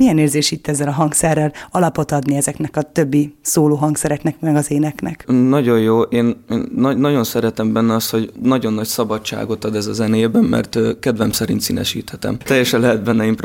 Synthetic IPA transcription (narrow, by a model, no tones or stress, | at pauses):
miɛneːrzeːʃit̪ːɛzːɛlɒɦɒŋksɛrːɛlɒlɒpo̞t̪ɒd̪niɛzɛknɛkɒt̪ø̞bːisoːloːɦɒŋksɛɾɛknɛkmɛɡɒzeːnɛknɛ̰knɒɟo̞jjoːʔeːneːnːɒnɒɟo̞nsɛɾɛt̪ɛmbɛnːɛɒst̪ho̞ɟnɒɟo̞nːɒcsɒbɒt͡ʃa̰ːɡo̞t̪ɒd̪ɛzɒzɛneːbɛmmɛ̰rt̪ːkɛd̪vɛmsɛɾḭnt̪sinɛ̰ʃḭːt̪hɛt̪ɛ̰mt̪ɛjːɛʃɛnlɛɦɛd̪̚bɛnːɛimp